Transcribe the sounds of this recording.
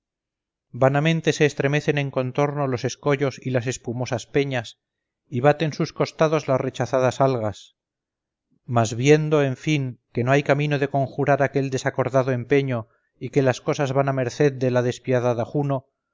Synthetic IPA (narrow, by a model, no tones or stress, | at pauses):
banamẽ̞nt̪e̞se̞ːst̪ɾe̞me̞θe̞ne̞ŋko̞nt̪o̞ɾno̞lo̞se̞sko̞ʝo̞silase̞spumo̞saspeɲas | iβat̪e̞nsusko̞st̪aðo̞zlasre̞t͡ʃaθaðasalɣas | mazβje̞nd̪o̞e̞ɱfiŋke̞no̞ajkamino̞ðe̞ko̞ŋxuɾaɾake̞ld̪e̞sako̞ɾðaðoe̞mpe̞ɲo̞ | ike̞lasko̞sazβaname̞ɾθe̞ðd̪e̞laðe̞spjaðaðaχuno